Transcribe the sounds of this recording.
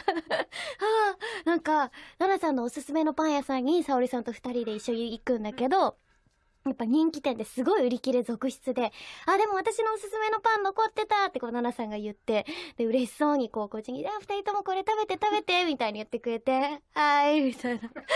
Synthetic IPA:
aːnãŋkananasãnːo̞ːsɨsɨme̞no̞pãɰ̃jasãɲ̟ːisao̞ɾʲisãnt̪oɸɯ̥t̪aɾʲid̪e̞iɕːo̞ɲ̟iːkɯ̟̃nd̪ake̞d̪o̞ | japːaɲ̟ĩŋkʲi̥t̪ẽ̞nd̪e̞sɨɡo̞iɯ̟ɾʲikʲiɾe̞zo̞kɯ̟ɕi̥t͡sɨd̪e̞ad̪e̞mo̞β̞at̪aɕino̞ːsɨsɨme̞no̞pãnːo̞ko̞t̪ːe̞t̪at̪ːe̞ko̞ːnanasãŋɡajɯ̟t̪ːe̞d̪e̞ɯ̟ɾe̞ɕi̥so̞ːɲ̟iko̞ːko̞t͡ɕiɲ̟ʲiaɸɯ̟t̪aɾʲit̪o̞mo̞ko̞ɾe̞t̪abe̞t̪e̞t̪abe̞t̪e̞mʲit̪aiɲ̟ijɯ̟t̪ːe̞kɯ̟ɾe̞t̪e̞haimʲit̪aina

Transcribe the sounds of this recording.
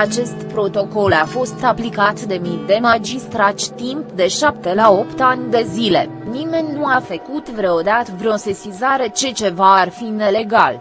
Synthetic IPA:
at͡ʃe̞st̪pɾo̞t̪o̞ko̞lafo̞st̪aplikat̪d̪e̞mid̪e̞mad͡ʒist̪ɾat͡ʃʲt̪impd̪e̞ʃap̚t̪e̞lao̞pt̪anʲd̪e̞zile̞̰ | nime̞nʲnuafəkut̪vɾood̪at̪vɾo̞sesizaɾe̞t͡ʃe̞t͡ʃe̞vaːrfine̞le̞ɡal

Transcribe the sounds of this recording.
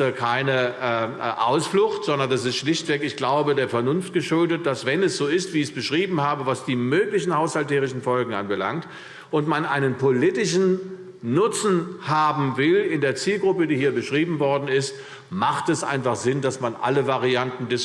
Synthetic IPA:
kʰaɪnə | ʔa̰ʊsflʊxtz̥ɔndɐndas̬ɪstʃlɪçtv̥ɛkɪçɡ̥laʊbədeːɐfɛɐnʊnft̚ɡ̥əʃʊldət̚d̥asv̥ɛnɛsz̥oːɪstv̥iːɪçb̥əʃʁ̥iːbm̩haːbəvasd̥iːmøːklɪçn̩haʊshalteːʁɪçn̩fɔlɡŋ̩ʔanbəla̰ŋkt | ʔʊntmanʔaɪnənpʰolɪtɪʃn̩ | nʊt͡sn̩haːbm̩vɪlɪndeːɐt͡siːlɡʁʊpədiːhiːɐbəʃʁ̥iːbm̩vɔɐdn̩ɪst | maχtɛsʔa̰ɪnfaχz̥ɪndasmanʔa̰ləvaʁiantn̩dɪs

